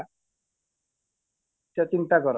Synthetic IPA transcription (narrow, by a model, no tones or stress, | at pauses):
t͡ʃɔt͡ʃint̪akɔɾ